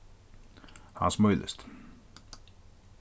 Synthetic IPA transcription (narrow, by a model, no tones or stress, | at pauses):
ha̰nsmœʏlə̰st̪